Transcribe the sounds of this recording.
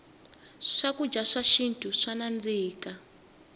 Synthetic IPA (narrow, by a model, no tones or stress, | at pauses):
ʂakud͡ʒaʂaʃintʰʼuʂanand͡ziːka